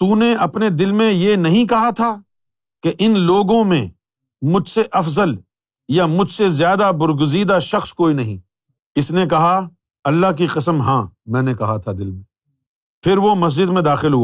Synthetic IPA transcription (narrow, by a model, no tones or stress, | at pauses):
t̪uːneɐpned̪ɪlmẽjenɐɦĩkɐɦat̪ʰaː | keʔɪnloːɡõmẽ | mʊd͡ʒʱseʔɐfzəl | jamʊd͡ʒʱsezjaːd̪abʊɾɡʊziːd̪aʃɐxskoːinɐɦḭ̃ː | ɪsnekɐɦa | ɐlːaɦk̬iqɐsəmɦãːmɛ̃ːnekɐɦat̪ʰad̪ɪlmẽ | pʰɪɾʋomɐs̬d͡ʒɪd̪mẽd̪aːxɪlɦuaː